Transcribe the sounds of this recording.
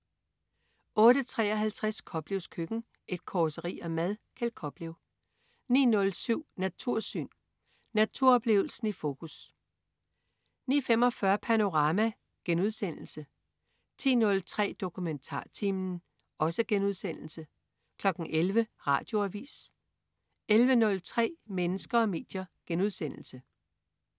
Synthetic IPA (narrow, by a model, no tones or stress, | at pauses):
ʔɔ̽ːɾət͡sʰʁɛ̰ːɒɦælt͡sʰʁaskʰɒ̽b̥le̝ʊskʰøɡ̥n̩ | ʔe̝d̥kʰɒːsəʁḭːɒmæðˠkʰælkʰɒ̽b̥leʊ | nḭːnɔ̽lsyʊ̰næt͡sʰuɐ̰sy̰ːn | næt͡sʰuɐ̰ɒ̽b̥le̝̰ʊl̩sn̩ifo̝ːkʰus | nḭːfemɒ̽fɶɐpʰæno̝ʁɑ̈ːmæ | ɡ̥enuðˠsen̰l̩sə | t͡sʰḭːnɔ̽lt͡sʰʁɛ̰ːd̥o̝kʰument͡sʰɑ̰̈ːt͡sʰimn | ɒ̽səɡ̥enuð̞̰ˠsen̰l̩sə | kʰlɒ̽ɡ̥n̩ʔelʋəʁɑ̈ːd̥jo̝æʋḭːs | elʋənɔ̽lt͡sʰʁɛ̰ːmenəsɡ̥ɐɒ̽me̝̰ːd̥jɐɡ̥enuðˠsen̰l̩sə